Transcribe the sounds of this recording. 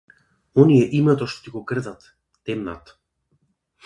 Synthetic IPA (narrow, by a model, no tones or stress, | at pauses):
onieʔimet̪oʃt̪o̥t̪iɣokrðat̪ː | emna̰t̪